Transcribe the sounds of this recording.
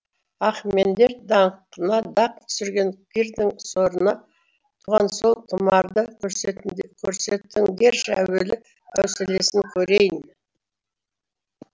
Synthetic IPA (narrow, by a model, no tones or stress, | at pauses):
ɑχme̞nd̪e̞ɾd̪ɑɴqənɑd̪ɑq̚t̪ʰʏ̥sɪɾɡʲe̞ŋkʲʰiɾd̪ɪŋso̞ɾənɑ | t̪ʰuʁɑnso̞lˠt̪ʰəmɑɾd̪ə | kʲʰɵɾse̞t̪ːɪŋɡʲe̞ɾʃæ̰welɪ | æ̰wsɪle̞sɪŋkʲʰɵɾejɪn